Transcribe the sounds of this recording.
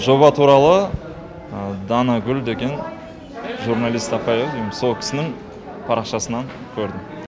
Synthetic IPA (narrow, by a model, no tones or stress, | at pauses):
ʒo̞bɑt̪ʰuɾɑlˠə | d̪ɑnɑɡʲʏld̪e̞ɡʲe̞n | ʒuɾnɑlʲˠijst̪ɑpɑjevd̪ijmso̞lˠkʲʰɪ̥sɪnɪŋ | pʰɑɾɑqʃɑsənɑŋ | kʲʰɵɾd̪ɪm